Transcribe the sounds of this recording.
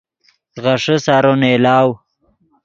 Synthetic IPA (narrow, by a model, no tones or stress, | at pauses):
ɣaʂəsaɾonelaːw